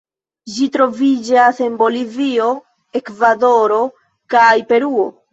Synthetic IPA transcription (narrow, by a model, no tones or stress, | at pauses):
d͡ʒitɾo̞vid͡ʒase̞nbo̞livio̞ | e̞kvado̞ɾo̞ | kajpe̞ɾuo̞